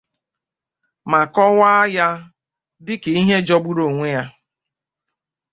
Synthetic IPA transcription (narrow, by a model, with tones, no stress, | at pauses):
ma˨kɔ˦wa˦ja˦ | dɪ˦ke˨i˦ɦe˦d͡ʒɔ˦bu˦ɾo˨ŋʷe˦ja˦